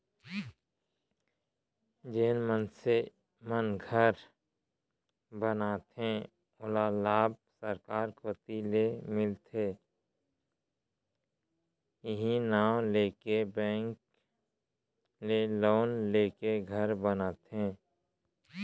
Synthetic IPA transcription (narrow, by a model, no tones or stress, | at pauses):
d͡ʒeːnmənse | mənɡʱəɾ | bənaːt̪ẽ | ʊlalaːb̚səɾkaːɾkʰoːt̪ilemɪlt̪ʰeː | ɪɦĩnaːwleːkebɛ̃ːŋk | leloːnleːkeɡʱəɾbənaːt̪ẽ